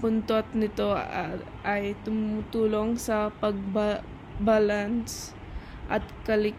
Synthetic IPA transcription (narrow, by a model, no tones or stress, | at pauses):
pʊnt̪ot̪̚nɪt̪o̞ | ʔɐjt̪ʊmʊt̪uːlo̞ŋsɐpɐɡ̚ba | baːlans | ʔɐt̪̚kɐlɪk